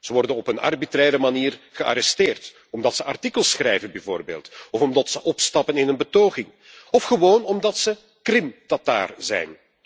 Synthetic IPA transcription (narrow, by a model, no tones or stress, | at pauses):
z̥əʋɔrdənɔpənɑ̰rbitrɛːɾəmaniːrɣəa̰ɾɛsteːrt | ɔmdɑtsəɑrtikəlˠsxrɛjvənbɛvo̰ːrbḛːlˠtɔfɔmdɑtsəʔɔpstɑpənɪnənbətoːɣɪŋ | ɔfχəʋoːnɔmdɑtsə | krɪmtata̰ːrzɛ̰jn